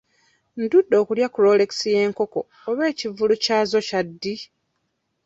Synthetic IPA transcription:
ndudːo̞ːkuljakuɾo̞le̞ksije̞ːŋko̞ko̞ːβe̞ːcivulucaːzo̞cadːi

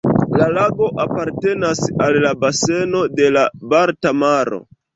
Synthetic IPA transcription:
lalaɡo̞ʔapaɾte̞nasalːabase̞no̞de̞labaɾtamaɾo̞̰

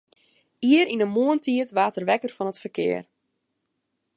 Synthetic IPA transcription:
iəɾinəmoəntʰiətʋaːtərʋɛkərfɔnətfərkɪ̰ːər

